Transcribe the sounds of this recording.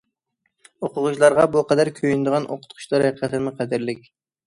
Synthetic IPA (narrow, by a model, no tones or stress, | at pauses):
oqʰʊʁʊʃlˠɑɾʁɑbʊqʰɑd̪æɾkʲʰøjynd̪ɨʁɑnʔo̰qʰʊ̥t̪̚qʰʊ̥ʃlˠɑɾæqʰɑt̪ʰɪmɪqʰæd̪ɪɾlɪkʲ